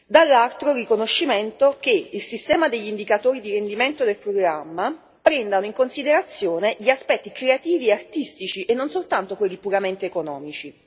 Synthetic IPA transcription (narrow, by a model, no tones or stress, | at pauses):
d̪alːalt̪ɾorikonoʃːiment̪ok̟eilsist̪ɛːmad̪eʎːind̪ikat̪oːɾid̪iɾend̪iment̪od̪elpɾoɡɾamːa | pɾɛnd̪anoiŋkonsid̪eɾat̪sːjoːneʎiaspɛt̪ːikɾeat̪iːvieart̪ist̪it͡ʃiʔenːonsolt̪ant̪okwelːipuɾament̪eːkonɔːmit͡ʃi